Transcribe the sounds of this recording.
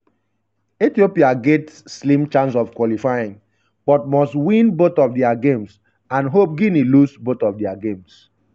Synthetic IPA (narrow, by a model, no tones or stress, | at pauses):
itiopiaɡɛtslĩmt͡ʃãns̬ɔv̥kwɔlifajĩŋ | b̥ɔt̚mɔstwĩnbotɔfdɛaɡẽms | ãnɦop̚ɡĩnilusbotɔfdɛaɡẽms